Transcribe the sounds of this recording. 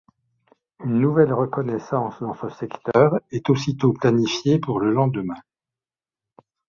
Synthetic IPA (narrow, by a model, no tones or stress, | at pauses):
ynːuvɛlʁəkɔnɛsɑ̃sd̪ɑ̃səsɛkt̪œʁɛt̪osit̪oplanifjepuʁləlɑ̃d̪əmɛ̃